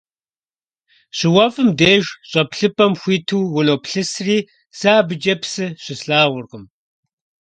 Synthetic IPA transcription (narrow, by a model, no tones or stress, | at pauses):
ɕɪwɐfɨmdeːʒɕʼɐpɬɨpʼɐmxʷiːtʰuːwʊloːpɬɨsriː | saːbɨd͡ʒɐpsɨɕɪsɬaːʁʷʊrqəm